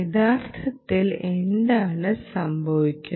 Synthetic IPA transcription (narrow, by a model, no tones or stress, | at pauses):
id̪aːrt̪ʰɐt̪ːile̞nd̪aːɳɨsɐmbʱɐʋikʲːu